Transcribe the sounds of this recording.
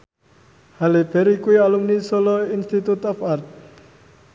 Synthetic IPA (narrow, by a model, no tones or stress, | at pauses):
haleb̥ɛɾikuialumnisolɔinst̪it̪ut̪ɔfart̪̚